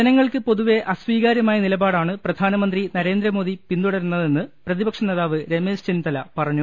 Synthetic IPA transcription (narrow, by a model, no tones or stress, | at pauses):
d͡ʑɐnɐŋːɐɭkɨpo̞ðuʋe̞ʔɐsʋiːɣaːɾjɐmaːjɐnilɐbaːɽaːɳɨprɐd̪ʱaːnɐmɐnd̪rinɐɾe̞ːnd̪rɐmo̞ːðipind̪uɽɐɾunːɐðe̞nːɨprɐðibɐkʂɐneːðaːʋɨɾe̞meːst͡ɕint̪ɐlɐpɐrɐɲːu